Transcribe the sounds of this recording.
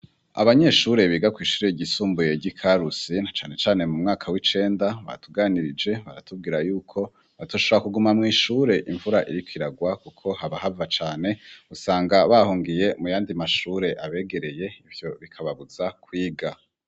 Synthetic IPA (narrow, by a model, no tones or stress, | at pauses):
a̰βaɲe̞ːʃuɾe̞βiːɡakwiːʃu̥ːɾeɟisuːmbuje̞ɟikʰaɾusinat͡ʃaːne̞t͡ʃaːne̞mumŋaːkʰawit͡ʃe̞ːndaβa̰ɾa̰tʰuɡaːniɾid͡ʒe̞βa̰ɾa̰tub̚ɡiːɾajuːkʰo̞ | βatoʃoβoakuɡumamŋiːʃuːɾe̞ʔiɱvuɾaʔiɾikwiɾaɡwakukʰo̞haβaɦavat͡ʃaːne̞usaːŋɡaβahuːŋɡije̞mujaːndimaʃuːɾe̞ʔaβe̞ːɡe̞ɾe̞je̞ivjo̞βikʰaβaβuz̥akwiːɡa